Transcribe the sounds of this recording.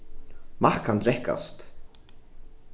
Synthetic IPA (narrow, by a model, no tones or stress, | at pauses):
markʰand̪ɾɛhka̰st̪